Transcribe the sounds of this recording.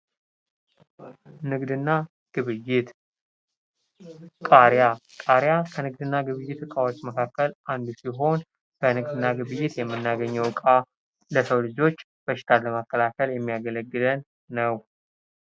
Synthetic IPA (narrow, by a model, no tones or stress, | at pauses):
nɨɡd̪ɨnːa | ɡ̥ɨβɨjːɪt̪ | kʼaɾjakʼaɾjakʰənɨɡ̚d̪ɨnːaɡɨβɨjːɪt̪ɨkʼawot͡ʃːməkʰakːəlʔand̪usiɦo̞n | bənɨɡd̪ɨnːaɡɨβɨjːɪt̪jɛmːɨnːaɡəɲːəwkʼa | ləsəwlɨd͡ʒo̞t͡ʃː | b̥əʃɪ̥t̪ʰaləməkːəlakʰəljɛmːijaɡələɡːɨlənː | əw